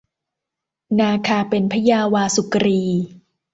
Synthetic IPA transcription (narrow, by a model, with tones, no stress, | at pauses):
naː˧kʰaː˧pe˧npʰa˦˥jaː˧waː˧su˨˩kɾiː˧